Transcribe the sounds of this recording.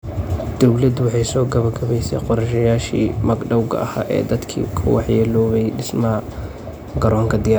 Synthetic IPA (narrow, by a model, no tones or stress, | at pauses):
d̪̥ɔwlɐd̪ʊwɑħɑjsɔːɡɐβɐɡɐβɛjsɛ̰jqɔɾʃɐjaːʃḭːmɐɡɖɐwɡɐ̰ʔɐha̰ːʔɛ̰ːd̪ɐd̪kʰḭːkʰɐ̰wɑ̰ħjɛːlɔːβɛjɖɪsmɐɦɐ | ɡɐɾɔːŋkʰɐd̪ɪjaː